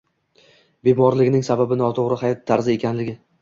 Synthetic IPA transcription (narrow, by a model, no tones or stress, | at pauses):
be̞mɒɾlɪɡʲɪnɪŋsababɪnɒt̪ʰoʁɾɪhajɒt̪ʰːaɾzɪe̞kʲʰanlɪɡʲɪ